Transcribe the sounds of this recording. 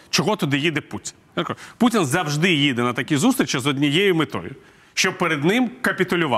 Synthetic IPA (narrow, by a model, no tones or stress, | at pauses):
t͡ʃɔɦɔt̪ɔd̪ɪjid̪ɛputʲi̥nj̪ɾkɔʊputʲinzɐwʒd̪ɪjid̪ɛnɐt̪ɐkʲizust̪ɾʲɪt͡ʃɐzɔd̪ʲnʲijɛjʊmɪt̪ɔ̰jʊ̰ | ʃt͡ʃɔbpeɾed̪nɪmkɐpʲit̪ʊlʲʊʋɑ